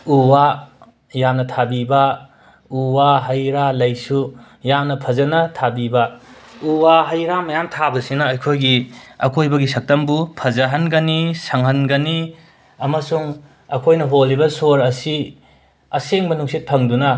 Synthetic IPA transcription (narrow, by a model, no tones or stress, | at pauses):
uwa | jamnɐtʰabibɐ | uwaɦɐjɾalɐjsu | jamnɐpʰɐzɐnɐtʰabibɐuwaɦɐjɾamɐjamtʰabɐsinɐːjkʰojɡiɐ̰kʰojbɐɡisɐk̚tɐmbupʰɐzɐɦɐnɡɐnisɐŋɦɐnɡɐni | ɐmɐsuŋ | ɐ̰kʰojnɐɦolːibɐsoɾɐsi | ɐseŋbɐnuŋsit̚pʰɐŋdunɐ